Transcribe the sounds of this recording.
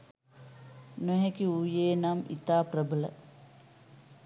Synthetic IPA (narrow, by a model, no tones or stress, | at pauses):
noɦekiuːjeːnamḭt̪aːprəbələ̰